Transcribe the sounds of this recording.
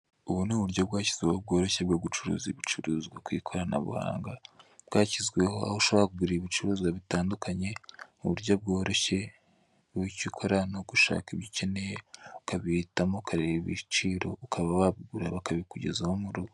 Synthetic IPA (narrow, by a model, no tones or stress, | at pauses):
uβunuːβuɾjobɡaːciz̥ɡwehob̚ɡo̞ːɾo̞çebɡaɡut͡ʃuɾṵːziβit͡ʃuɾuːzɡwakwiːkʰo̞ɾana̰βṵha̰ːŋɡabɡaːcizɡwe̞hoa̰hoʃoβahakuɡuɾiiβit͡ʃuɾuːzɡwaβitaːndukʰaɲe̞uβuɾjob̚ɡo̞ːɾo̞çe̞ | icikʰoɾanoɡuʃa̰ːkiβjice̞ne̞jeukaβihitamo̞ukʰaɾeβiβḭt͡ʃiːɾo̞̰ukʰaβawaβuɡuɾaβakaβikuɟe̞̰zahomuɾuɡo